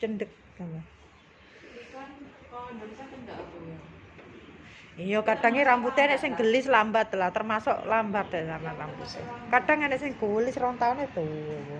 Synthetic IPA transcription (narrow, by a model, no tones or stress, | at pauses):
t͡ʃənɖək̚ɡəne | ijɔkaɖ̥a̤ŋeɾamput̪eaneʔsɪŋɡəlɪslambat̪̚lat̪ərmasɔ̰ʔlambat̪ɛkarnaramput̪ḛkaɖ̥aŋaneʔsɪŋɡ̥olɪsrɔnt̪auned̪̥ow